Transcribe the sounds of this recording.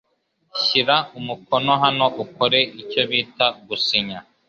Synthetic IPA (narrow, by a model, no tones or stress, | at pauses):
ɕiɾaumuko̞no̞ɦano̞ʔukoɾe̞ico̞βiːtaɡusiɲa